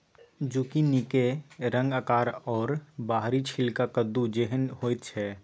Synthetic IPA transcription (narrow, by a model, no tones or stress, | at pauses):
d͡ʒuːkinikeɾə̃ŋɡakaːɾɔːɾbaːɦɾit͡ʃʰɪlkakəd̪ud͡ʒeɦənhoːjt̪̚t͡ʃʰɛː